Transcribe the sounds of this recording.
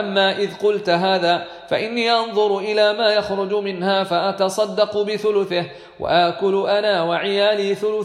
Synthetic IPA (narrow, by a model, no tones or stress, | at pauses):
ʔamːaːʔɪðqʊlt̪ɦaːðaː | faʔɪnːiːʔɑnðˤʊɾʔɪlaːmaːjaxɾʊd͡ʒʊmɪnhaːfaʔat̪ɑsˤɑd̪ːɑqʊbɪθʊlʊθɪh | wa̰ʔaʔkʊlʊʔanaːwaʕɪjaːliːθʊlʊ